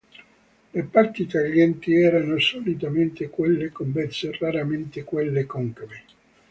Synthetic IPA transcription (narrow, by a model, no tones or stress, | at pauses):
lepart̪it̪aljɛnt̪iɛːɾanosolit̪ament̪ekwelːekombɛt̪sːeraɾament̪ekwelːekɔŋkve